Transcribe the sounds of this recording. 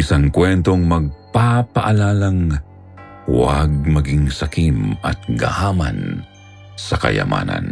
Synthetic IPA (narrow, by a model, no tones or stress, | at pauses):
ɪsaŋkwɛnt̪oŋmɐɡ̚papɐʔalaːlɐŋ | wa̰ɡ̚mɐɡiŋsɐkimɐt̪̚ɡahaːmɐ̰n | sɐkɐ̰jɐ̰ma̰ːnɐ̰n